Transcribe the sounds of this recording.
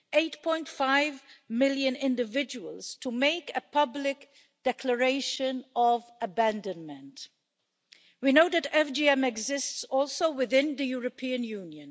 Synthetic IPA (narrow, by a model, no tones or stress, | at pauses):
eɪtpʰɔ̃ɪ̃ntfaɪvmɪljɨ̃nɪ̃ndɨvɪd͡ʒəwəlˠz̥tʰəmeɪkɨpʰʌblɪk | d̥ɛkʰləɹeɪʃə̃nɔvəbæ̃ndə̃nmə̃nt | winoʊðɨtɛfd͡ʒiɛ̃mɛɡzɪstsɔlˠsoʊwɪðɪ̃nðɨjuɹəpʰĩɨ̃njũnjɨ̃n